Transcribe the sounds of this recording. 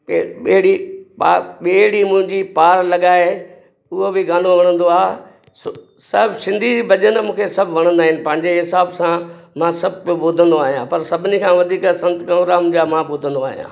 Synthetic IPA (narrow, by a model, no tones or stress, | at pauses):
eːɽipaɓeːɽimʊ̃ɦɪ̃ɲd͡ʑipaːɾlɐɠaːe | ʊɦobɪɡãːnoʋɐɽ̃ə̃nd̪oaːɦ | s | sɐbsɪ̃nd̪ʱibɐʄənmũːkʰesɐbʱʋɐɽ̃ə̃nd̪aːɦɪnɪ̆pɐ̃ɦɪ̃ɲd͡ʑeɦɪsaːbsãmãːsɐb̚ʱɪboːd̪ʱə̃nd̪oaːɦijãpɐɾsɐbʱɪnikʰãːʋɐd̪ʱiːksɐ̃nt̪kɐ̃mʋɾamʊ̃d͡ʑamãboːd̪ʱə̃nd̪oa̰ːɦijã̰ː